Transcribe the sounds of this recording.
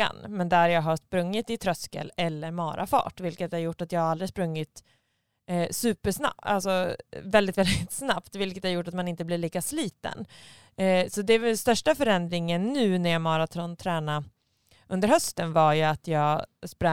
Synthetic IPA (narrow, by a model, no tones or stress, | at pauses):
a̰nmɛnd̪æɾjɑːɡɦaspɾɵŋːɪt̪ɪt̪ʰɾœskə̰lɛlːəɾmɑːɾʔa̰fɑ̰ːʈvɪlkət̪æɾjʊʈːat̪jɑːɡhaɾald̪ɾɪspɾɵŋːɪt̪ː | sʉ̟ːpəʂna̰a̰lsɔvɛld̪ɪt̪vɛld̪ɪt̪snapt̪vɪlkət̪æɾjʊʈːat̪manɪnt̪əblɪɭiːkasliːt̪ə̰n | sɔd̪ɛɛst̪œʂʈafœɾɛnd̪ɾɪŋənːʉ̟ːnæɾjɑmɑːɾat̪ʰɔnt̪ʰɾɛːna | ʔɵnd̪əɾhœst̪ənvaɾjɵat̪ʰjɑːɡspɾa